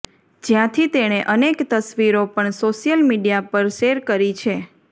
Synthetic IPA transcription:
d͡ʒjãt̪ʰit̪eɽ̃eʔənekt̪əsʋiɾopəɳsoʃijəlmiɖijapəɾʃeɾkəɾit͡ʃʰe

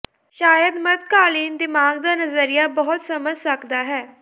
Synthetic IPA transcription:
ʃaːjəd̪mət̪̚kaːliːnd̪ɪmaːɡ̚d̪aːnəzəɾijaːbɔɦʊt̪səməd͡ʒsəkd̪aːɦɛː

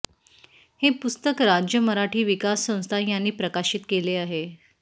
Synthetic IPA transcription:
hepust̪əkɾad͡ʑjəməɾaʈʰiːʋikasːə̃w̃st̪ʰajanːiːpɾəkaɕit̪keleaɦe

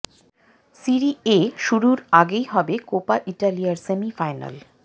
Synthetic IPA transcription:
siɾieʃuɾuɾaɡejɦɔbekopaʔiʈalijaɾsemifajna̰l

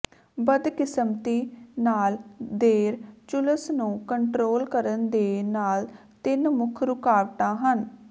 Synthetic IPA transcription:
bəd̪kɪsəmt̪iːnaːld̪eːɾt͡ʃʊləsnũːkəɳʈɾoːlkəɾənd̪eːnaːl | t̪ɪnmʊkʰɾʊkaːʋʈãːɦən

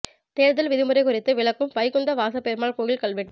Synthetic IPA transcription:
t̪eːɾðɪlʋɪðɪmʊɾɐɪkʊɾɪt̪ːɯʋɪɭɐkːɯmʋɐɪkɔnd̪ɐʋaːsɐpːeːɾmaːɭkoːɣɪlkɐɭʋɪʈː

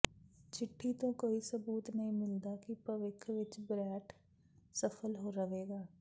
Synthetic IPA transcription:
t͡ʃɪʈʰːiːt̪õːkoːiːsəbuːt̪nəɦĩːmɪld̪aːkɪpɾəʋɪkʰʋɪt͡ʃbɾɛːʈʰ | səpʰəlɦoːɾəʋeːɡaː

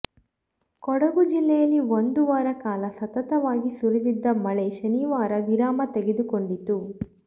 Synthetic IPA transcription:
kɔɽɐɡud͡ʒilːɛjɐlːiond̪uʋaːɾɐkaːlɐsɐt̪ɐt̪ɐʋaːɡisuɾid̪id̪ːɐmɐɭeʃɐniʋaːɾɐʋiɾaːmɐt̪eɡed̪ukoɳɖit̪u

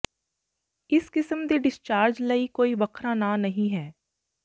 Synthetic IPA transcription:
ɪskɪsəmd̪eːɖɪst͡ʃaːɾd͡ʒləikoːibəkʰɾaːnãːnəɦĩɦɛː

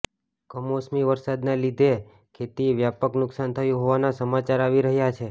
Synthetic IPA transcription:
kəmosmiʋəɾsad̪nelid̪ʱe | kʰet̪iʋjapəknʊksant̪ʰəjũɦoʋanasəmat͡ʃaɾaʋiɾəɦjat͡ʃʰe

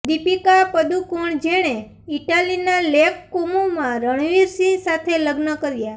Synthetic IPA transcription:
d̪ipikapəd̪ukoɳd͡ʒeɽ̃e | iʈalinalekkomomãɾəɳ̃ʋiɾsĩsat̪ʰeləɡnəkəɾja

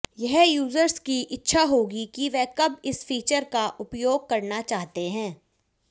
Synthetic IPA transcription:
jɛɦjuːzəɾskiʔɪtːʃʰaɦoːɡikiʋɛkɐbɪsfiːt͡ʃəɾkaʔʊpjoːɡ̚kɐɾnat͡ʃaːɦt̪eɦɛ̃ː

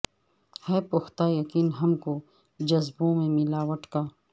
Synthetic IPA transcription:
hɛpʊxt̪aːjɐkiːnɦɐmko | d͡ʒɐzbõmẽmɪlaːwɐʈkaː

